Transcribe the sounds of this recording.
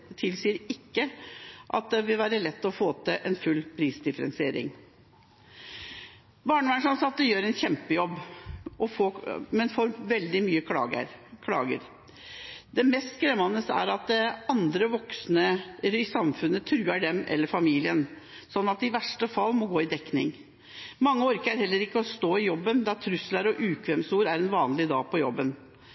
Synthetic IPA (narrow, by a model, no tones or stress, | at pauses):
t̪ʰɪlsiːəɾɪkːəʔɑ̰t̪̚d̪ɛʋɪlʋæːɾəlɛt̪ːɔfoːt̪ʰəʔɛnfʉlːpʰɾiːsd̪ɪfəɾɛ̰nsɪeːɾɪ̰ŋ | bɑːɳəmæɳʂɑnsɑt̪ːəjøːɾɛnçɛmpəjɔbːʔɔfoːmɛnfoːɾʋɛld̪ɪmyːəkɑə̰ɾkʰlɑ̰ːɡə̰ɾ | d̪ɛmɛst̪kɾɛmɑnəst̪æ̰ɾɑt̪̚d̪ɛɑnd̪ɾəʋɔksnəɾɪsɑmfʉnːət̪ʰɾʉːæɖɛmʔɛ̰lːəɾfɑmiːlɪən | sɔnːɑt̪ɪʋæʂʈəfɑlːmɔɡoːɪd̪ɛknɪ̰ŋ | mɑŋːəɔɾkəæɾhɛlːəɾɪkːəɔst̪oːɪjɔbːənd̪ɑt̪ʰɾʉslæɾɔʔʉːkʰʋɛmsuːɾæɾɛnʋɑːnlɪd̪ɑ̰ːɡ̚pʰɔjɔ̰bːən